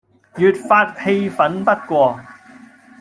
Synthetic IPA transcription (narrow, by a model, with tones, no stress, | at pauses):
jyː˨t̚faː˧t̚he˧jfɐ˨˥npɐ˥t̚kʷɔː˧